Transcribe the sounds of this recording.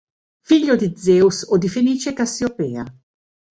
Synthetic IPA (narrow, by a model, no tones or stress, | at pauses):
fiʎːod̪id̪zɛːusod̪ifeniːt͡ʃekasiopɛːa